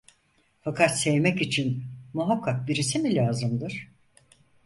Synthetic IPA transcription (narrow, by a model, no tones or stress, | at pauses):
fakʰat̪sevmɛcit͡ʃʰinmuɦakʰːak̚biɾis̬imilʲaːzɯmd̪ɯɾ̥